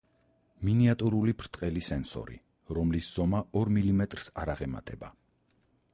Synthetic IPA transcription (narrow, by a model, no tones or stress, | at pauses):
miniat̪ʼuɾulipʰɾt̪ʼqʼɛlisɛnsɔ̰ɾḭ | ɾɔmlisz̥ɔmaɔɾmilimɛt̪ʼɾsaɾaʁɛma̰t̪ʼɛba